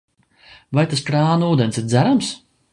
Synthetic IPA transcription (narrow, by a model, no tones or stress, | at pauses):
vajt̪askɾaːnuːd̪ensid̪zæɾams